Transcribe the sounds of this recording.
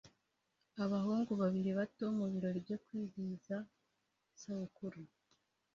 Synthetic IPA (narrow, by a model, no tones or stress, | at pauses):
aβahuːŋɡuβaβiɾiβato̞muβiɾo̞ɾibjo̞kwiːziza | saβukuɾu